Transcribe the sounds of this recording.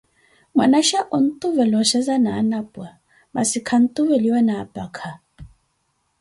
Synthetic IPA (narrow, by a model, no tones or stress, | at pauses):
mwa̰naʃaʔɔn̩t̪ʼuvɛlɔʃɛzanaːnapʼwa | ma̰sikʰan̩t̪ʼuvɛliwɛnaːpʼakʰa